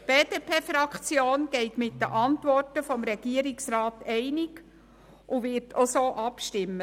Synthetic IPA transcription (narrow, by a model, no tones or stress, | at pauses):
b̥eːd̥epʰeːfɾɑkχt͡sjoːnɡ̥ɛɪtmɪtdəʔɑntʋɔrtəfɔmɾɛɡ̥iəɾɪksɾɑːtɛɪnɪk | ʔuvɪɾtʰosoːʔɑpʃtɪmːə